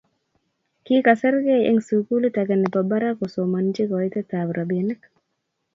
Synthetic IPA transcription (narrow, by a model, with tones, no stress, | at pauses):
ki˦ka˨sɛ˦ɾɡe˦ɛ̰˦ŋsuku˦li˦ta˨ɡa˨nɛ˨pa˨ba˦ɾa˦ko˨soma˨nd͡ʒi˦kɔɪ˦t̪ɛ˦t̪abɾʔa˨be˨nɛ˦k